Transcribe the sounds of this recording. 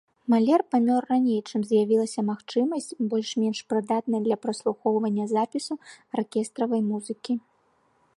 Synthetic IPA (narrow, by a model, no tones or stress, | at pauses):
malʲɛrpamʲɔrːanʲejt͡ʂɨmzjavʲilˠɐsʲɐmaxt͡ʂɨmɐsʲt͡sʲbɔlʲʂmʲɛnʂpɾɨd̪at̪̚nɐjɐd̪lʲɐpɾɐslˠuxɔwvɐnʲːɐzapʲisuɐrkʲɛst̪ɾɐvɐjmuzɨkʲi